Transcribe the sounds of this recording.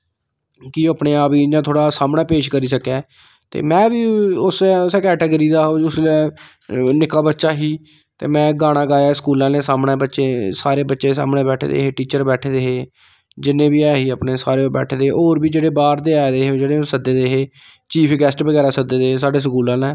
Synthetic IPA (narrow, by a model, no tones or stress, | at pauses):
kɪoəpneːaːpiːd͡ʒãːt̪ʰoːɽaːsaːmɽaːpeːʃkəɾiːsəkɛː | t̪ḛːmɛ̃ːbiːʊsɛʊsɛːkɛːʈeːɡəɾiːd̪aːɦoːʊslː | nɪkaːbətːʃaːɦiː | t̪ḛːmɛ̃ːɡaːɽ̃ãːɡaːjaːsə̥kuːlãːlẽːsaːmɽɛ̃ːbətːʃeːsaːɾeːbətːʃeːsa̰ːmɽɛ̃ːbɛːʈʰːd̪ḛːɦeːʈiːt͡ʃəɾbɛːʈʰed̪eːɦeː | d͡ʒɪnːẽːbiːɛːɦiːəpneːsaːɾeːobɛ̰ːʈʰːd̪eːɦːoːɾbiːd͡ʒeːɽeːbaːɾd̪eːaːd̪eːɦeːd͡ʒeːɽẽːosəd̪eːd̪eːɦeː | t͡ʃiːpʰɡɛːsʈbəɡɛːɾaːsəd̪eːd̪eːɦeːsaːɖeːs̬kuːlãːlɛ̃ː